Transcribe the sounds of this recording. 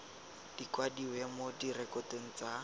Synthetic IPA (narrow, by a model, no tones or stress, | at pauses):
d̥ikwadiwɛmodirɛkɔteŋ̩t͡sa